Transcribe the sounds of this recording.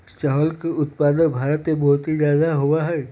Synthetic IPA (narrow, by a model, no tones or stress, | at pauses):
t͡ʃɔɦəlkeʊt̪̚paːd̪ənbʱaːɾət̪mebɔɦʊt̪ɦizjaːd̪aɦʊwaɦɛː